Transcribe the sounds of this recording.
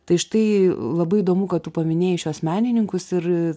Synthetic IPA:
t̪ɐɪʃt̪ɐɪlˠɐbɐɪid̪oːmukɐt̪t̪ʊpɐmʲɪnʲeːjɪʃʲuɔsmʲæːnʲɪnʲɪŋkʊsɪɾ

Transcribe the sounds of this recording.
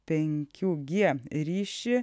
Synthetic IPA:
p̪ɛŋkʰjuɡeːɾiːʃə

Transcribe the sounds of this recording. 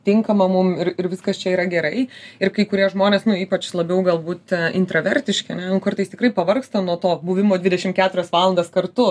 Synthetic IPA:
t̪ʲɪŋkɐmɐmʊmɪrɪɾʋʲɪskɐst͡ʃʲɛiːɾɐɡʲɛɾɐɪɪrkɐɪkʊɾʲiɛʒmoːnʲeːsnʊiːpɐt͡ʃlˠɐbʲɛʊɡɐlˠbuːt̪ɪnt̪ɾɐʋʲɛɾʲt̪ʲɪʃʲkʲɪɐnʲɛnʊkɐɾt̪ɐɪst̪ʲɪkrɐɪpɐʋɐrkst̪ɐnuɔt̪oːbʊʋʲɪmoːd̪ʲʋʲɪd̪ʲɛʃʲɪmkʲæːt̪ʊɾʲɛsʋɑːlˠɐnd̪ɐːskɐrt̪ʊ

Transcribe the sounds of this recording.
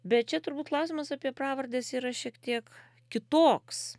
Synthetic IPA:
bʲɛt̪̚t͡ʃʲɛt̪ʊɾbuːt̪klˠɐʊsʲimɐsɑːpʲiɛpɾɑːʋɐɾʲd̪ʲeːsiːɾɐʃʲiɛkt̪ʲiɛk | kʲɪt̪oːks

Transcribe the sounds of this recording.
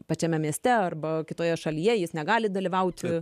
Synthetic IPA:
pɐt͡ʃʲɛmʲɛmʲiɛsʲt̪ʲɛɐrbɐkʲɪt̪oːjɛʃɐlʲijɛjɪsnʲɛɡɑːlʲɪd̪ɐlʲɪʋɐʊt̪ʲ

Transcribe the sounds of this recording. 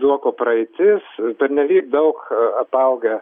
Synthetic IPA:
uɔkoːprɐɛɪt̪ʲɪspʲɛɾʲnʲɛlʲiːk̚d̪ɐʊkɐpɐʊɡʲɛ

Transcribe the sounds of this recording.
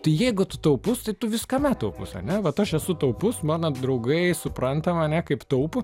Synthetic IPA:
t̪ɐɪjɛɪɡʊt̪ʊt̪ɐʊpʊst̪ɐɪt̪ʊʋʲɪskɐmʲæt̪ɐʊpʊsɐ̰nʲɛʋɐt̪ɐʃɛsʊt̪ɐʊpʊsmɑːnɐd̪ɾɐʊɡɐɪsʊpɾɐnt̪ɐmɐnʲɛkɐɪpt̪ɐʊpʊ

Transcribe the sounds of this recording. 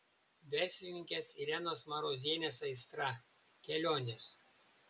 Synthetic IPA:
ʋʲɛɾʲsʲlʲɪnʲɪŋʲkʲɛsiɾʲɛnoːsmɐɾoːzʲiɛnʲeːsɐɪst̪ɾɐ | kʲɛlʲoːnʲes

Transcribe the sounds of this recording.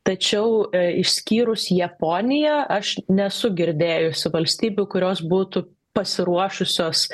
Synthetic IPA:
t̪ɐt͡ʃʲɛʊɪʃsʲkʲiːɾʊsjɛpoːnʲɪjɛʔɐʃnʲɛsʊɡʲɪɾʲd̪ʲeːjʊsʲɪʋɐlʲsʲt̪ʲiːbʲʊkʊɾʲoːsbuːt̪ʊ | pɐsʲɪɾuɔʃʊsʲoːs

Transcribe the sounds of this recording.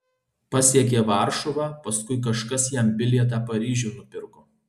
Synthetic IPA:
pɐsʲiɛkʲeːʋɑˑɾʃɔʋɑːpɐskʊɪk̬ɐʃkɐsjɛmbʲɪlʲiɛt̪̬ɑːpɐɾʲiːʒʲuːnʊpʲɪɾkoː

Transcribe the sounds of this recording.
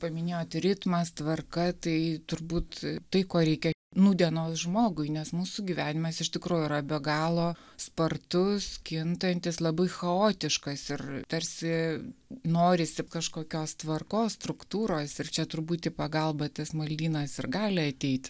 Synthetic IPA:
pɐmʲɪnʲeːjoːt̪ɾʲɪt̪mɐst̪ʋɐrkɐt̪ɐɪt̪ʊɾbuːt̪t̪ɐɪkoːɾʲɛɪkʲɛnuːd̪ʲɛnoːsʒmoːɡʊɪnʲɛsmuːsʊɡʲiʋʲæːnʲɪmɐsɪʃt̪ʲɪkɾuːjʊiːɾɐbʲɛɡɑːlˠoːspɐrt̪ʊskʲɪnt̪ɐnʲt̪ʲɪslˠɐbɐɪxɐoːt̪ʲɪʃkɐsɪrt̪ɐɾʲsʲɪ | noːɾʲɪsʲɪkɐʃkoːkʲoːst̪ʋɐrkoːsst̪ɾʊkt̪uːɾoːsɪrt͡ʃʲɛt̪ʊɾbuːt̪ʲɪpɐɡɐlˠbɐt̪ɐsmɐlʲd̪ʲiːnɐsɪrɡɑːlʲɪɐt̪ʲɛɪt̪ʲ

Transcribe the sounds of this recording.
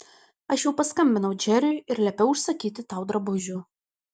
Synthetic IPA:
ɐʃjɛʊpɐskɐmʲbʲɪnɐʊd͡ʒʲɛɾʲʊjɪɾlʲɛpʲɛʊʊʃsɐkʲiːt̪ʲɪt̪ɑˑʊd̪ɾɐbʊʒʲʊ

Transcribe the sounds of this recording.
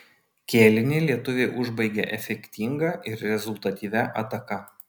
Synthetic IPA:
kʲeːlʲɪnʲeːlʲiɛt̪ʊʋʲeːʔʊʒbɐɪɡʲɛʔɛfʲɛkʲt̪ʲiŋɡɐʔɪɾɾʲɛzʊlˠt̪ɐt̪ʲiːʋʲɛʔɐt̪ɐkɐ

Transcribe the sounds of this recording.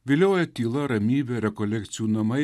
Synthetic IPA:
ʋʲɪlʲoːjɛt̪ʲiːlˠɐɾɐmʲiːbʲɛɾʲɛkɔlʲɛkt̪sʲɪjuːnɐmɐɪ

